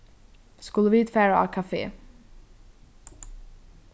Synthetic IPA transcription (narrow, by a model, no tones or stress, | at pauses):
skɵlːəviːt̪fæːɾaa̰kʰafḛː